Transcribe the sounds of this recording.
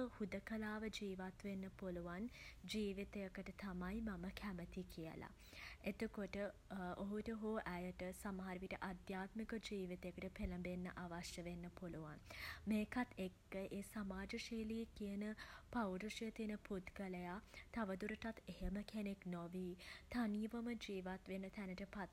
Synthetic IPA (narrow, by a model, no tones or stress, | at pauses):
hud̪əkəlaːʋəd͡ʒiːʋat̪ʋenːəpoluʋand͡ʒiːʋit̪ejəkəʈət̪amajmaməkʰæmət̪ikʰijə̰la̰ | et̪əkoʈəoɦuʈəɦoːʔæjəʈəsamɦaɾʋiʈəʔad̪jaːt̪mikəd͡ʒiːʋit̪əjəkəʈəpeləmbenːəʔaʋaʃjəʋenːəpoluʋanmeːkat̪ʰekːəʔeːsamaːd͡ʒəʃeːlijekiənəpawɖəʂijət̪inəput̪ɡələjat̪aʋəd̪uɾəʈat̪eɦeməkeneknoʋiːt̪aniʋəməd͡ʒiːʋat̪ʋenət̪ænəʈəpat̪